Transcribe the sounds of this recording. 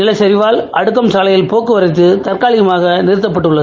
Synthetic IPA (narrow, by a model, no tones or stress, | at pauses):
nɪlɐsɐɾɪʋaːlɐɽɯk̬ːɐmsaːlɐjɪlpoːkːɯʋɐɾɐɪt̪̬ːɯt̪ɐrkaːlɪɣɐmaːɣɐnɪɾɯt̪ːɐpːɐʈːɯɭːɐð